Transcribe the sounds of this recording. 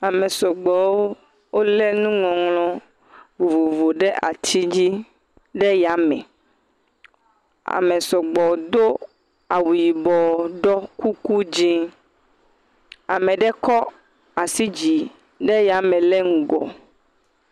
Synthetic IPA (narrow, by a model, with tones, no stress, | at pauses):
a˨mɛ˨sɔ˨ɡ͡bɔ˨wo˦ | wo˦lɛ˦nũ˦ŋɔ̃˨ŋlɔ̃˦ | vo˨vo˨vo˨ɖɛ˦ʔa̰˨t̪i˦d͡ʑi˦ | ɖɛ˦ja˨mɛ̰̃˨ | a̰˨mɛ̃˨sɔ˨ɡ͡bɔ˨˦d̪o˦ | a˨wu˨ji˨bɔ˨ɖɔ˦ku˦ku˦d͡ʒi˦ | a̰˨mɛ̃˨ɖɛ˦kɔ˦ | a˨si˦d͡ʑi˨ | ɖɛ˦ja˨mɛ̃˨lɛ˦ŋũ˨ɡɔ̰˨